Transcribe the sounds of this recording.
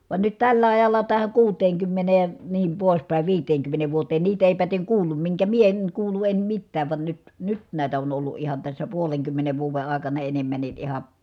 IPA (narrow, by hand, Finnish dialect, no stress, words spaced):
ʋɑn nyt tælːæ ɑjɑlːɑ tæhæ kuːteːŋkymːeneː niːm poˑis pæˑi ʋiːteːŋkymːeneːʋ ʋuoteːn niːt eˑi pæteŋ kuːlːum miŋkæ mie eŋ kuːlu em mitːæːʋ ʋɑn nyt nyt næˑit on olːu ʔihɑn tæsːæ puoleŋkymːeneʋ ʋuːʋe ɑˑekɑnɑ enemːænːi ʔihɑ